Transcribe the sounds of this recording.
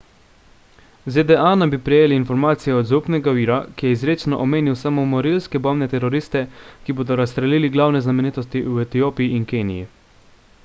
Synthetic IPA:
zed̪ɛanabipɾɛjeːliːnfɔɾmaːt̪sijɛɔd̪zupnɛɡaviːɾakijɛizɾeːt͡ʃnɔʔɔmeːniwsamomɔɾilskɛbɔmnɛt̪ɛɾɔɾiːst̪ɛkiboːd̪ɔɾast̪ɾɛliːliɡlawnɛznamɛniːt̪ɔst̪iwɛt̪ijoːpijiinkeːnijḭ

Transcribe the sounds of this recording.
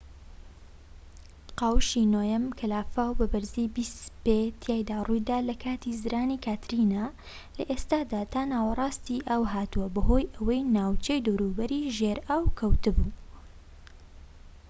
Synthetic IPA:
qawʃiːnoːjɐmkʰɐlaːfawbɐbɨɾziːbispet̪ʰjaːjd̪aːrujd̪aːlɐkʰaːt̪izɨɾʔaːnikʰaːt̪ɾina | lɐʔest̪aːd̪aːt̪ʰaːnaːwɐrˤɑːst̪iʔaːwɦaːt̪uɐbɐɦo̞ːjʔɐwɐjnaːwt͡ʃejd̪owɾuːbɐɾiːʒeɾaːwkʰɐwt̪ɨbuː

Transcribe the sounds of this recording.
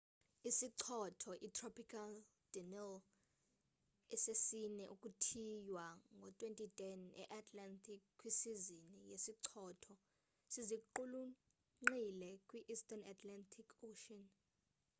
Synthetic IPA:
isiǀʰɔtʰɔʔitʰrɔpʰikʰal | d̥inɛl | ɛsesinɛʔukʼutʰijwaŋɡʱɔtʼwentʼitʼɛnɛ̰ʔatʰʼlantʰʼikkʼːwisizinijesiǀʰɔːtʰɔ | siziǃulu | ŋ͡ǃilɛkʼwiʔistʼanatʰlantʰikʰoʃan

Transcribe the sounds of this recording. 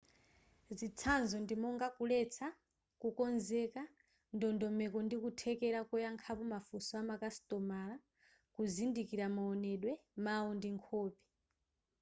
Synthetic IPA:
zit͡sʰanzɔndimɔŋɡakulɛt͡sʰa | kukɔnzɛka | ndɔndɔmɛkɔndikutʰɛkɛɾakɔjaŋkʰapɔmafusɔamakasi̥tʼɔmala | kuzindikiɾamaɔnɛɗwɛmaɔndiŋkʰɔːpi̥

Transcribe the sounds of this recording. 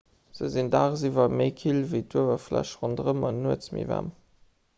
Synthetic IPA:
z̥əzindaːʁzivɐməɪkʰilviɪtʰuəvɐflæ̰ʃʁondʁəmɑnːuət͡smḭvæ̰m

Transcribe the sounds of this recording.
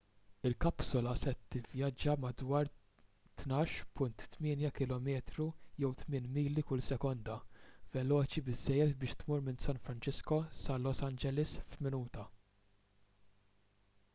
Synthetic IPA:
ɪlkɐpsɔlɐsɛt̪ːɪvjɐd͡ʒːɐmɐd̪wɐːɾ | t̪nɐːʃpʊnt̪ːmɪːnjɐkɪlɔmɛːt̪ɾujɛwt̪mɪːnmiːlːikʊlsɛkɔnd̪ɐvɛlɔːt͡ʃibɪzːɛjːɛt̪bɪːʃt̪muːɾmɪnsɐnfɾɐnt͡ʃɪskɔsɐlɔsɐnd͡ʒɛlɪsfmɪnuːt̪ɐ

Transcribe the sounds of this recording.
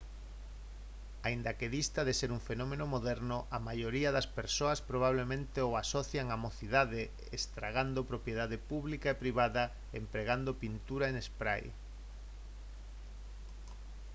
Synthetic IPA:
aind̪ɐkeðist̪aðeseɾuŋfenɔmẽnomoðɛɾnʊʔamajoɾiaðɐspeɾsoɐspɾoβ̞aβ̞lemẽnt̪eoasɔθjaŋamoθiðaðe | est̪ɾaɣand̪opɾopjeð̞aðepuβlikaepɾiβ̞aðɐ | empɾeɣand̪opint̪uɾaenespɾaj

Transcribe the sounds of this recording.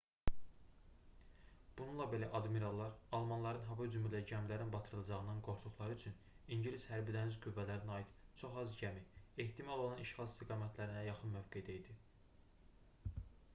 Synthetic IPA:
b̥ununlˠɑbe̞læʔɑd̪miɾɑlˠːɑɾɑlˠmɑnlˠɑɾɯnɦɑvɑyd͡ʒymilæɟæmlæɾinbɑt̪ʰɯɾɯlˠɑd͡ʒɑʁɯnɑnɡo̞ɾt̪ʰuχlˠɑɾɯyt͡ʃʰyn | iɲɟilishæɾbid̪ænizɡyvːælæɾinɑjid̪̥t͡ʃʰo̞χɑzɟæmieht̪ʰimɑolˠolˠɑniʃχɑlˠist̪ʰiɡɑːmæt̪ʰlæɾinæjɑχɯnmøvɡe̞d̪æid̪i

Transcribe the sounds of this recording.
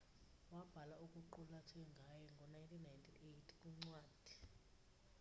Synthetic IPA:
wab̥ʱalauk̬ʼuǃulatʰɛŋɡʱajɛŋɡʱɔnajntʰʼinajntʰiʔejtʰi̥kʼuŋ͡ǀwaːd̥ʱi

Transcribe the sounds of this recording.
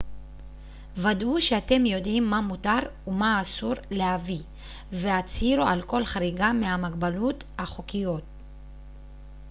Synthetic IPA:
vaduʃeate̞mjo̞dimːamutaʁumaːsuʁlehavi | ve̞at͡shiɾualko̞lχaʁiɡamehamaɡbalut | haχokijo̞t̚

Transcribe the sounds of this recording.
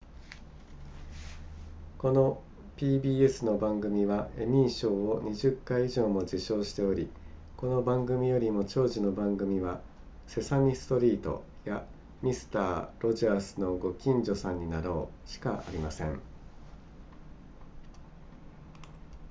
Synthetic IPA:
ko̞no̞ | pʲiːbʲiːe̞sɨno̞bãŋɡɯ̟mʲiβae̞mʲiːɕo̞ːoɲ̟iʑɨkːaiiʑo̞ːmo̞d͡ʑiɕo̞ːɕi̥t̪e̞o̞ɾʲi | ko̞no̞bãŋɡɯ̟mʲijo̞ɾʲimo̞t͡ɕo̞ːʑino̞bãŋɡɯ̟mʲiβa | se̞samʲisɨ̥t̪o̞ɾʲiːt̪o̞̰ | ja | mʲisɨ̥t̪aːɾo̞ʑaːsɨno̞ɡo̞kʲĩɲd͡ʑo̞sãɲ̟ːinaɾo̞ːɕi̥kaa̰ɾʲimasẽ̞̰ŋ

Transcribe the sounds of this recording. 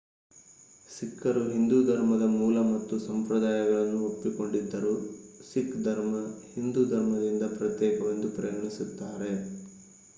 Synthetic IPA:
sikʰːɐɾuɦind̪ud̪ʱɐɾmɐd̪ɐmuːlɐmɐt̪ːusɐmpɾɐd̪aːjɐɡɐɭɐnːuopːiko̞ɳɖid̪ːɐɾusikd̪ʱɐɾmɐhind̪uːd̪ʱɐɾmɐd̪ind̪ɐpɾɐt̪jɛːkɐʋɐnd̪upɾɐjɡɐɳisut̪ːaːɾe̞

